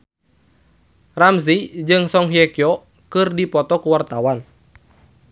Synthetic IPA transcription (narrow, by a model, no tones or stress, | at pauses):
ramzid͡ʒɨŋsɔŋɦiɛkiɔ | kɨrdipɔt̪ɔkuwart̪awan